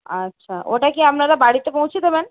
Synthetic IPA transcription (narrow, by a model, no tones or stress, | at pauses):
atːɕʰa̰ʔoʈakiamnaɾabaɽit̪epõw̃t͡ɕʰit̪omɛn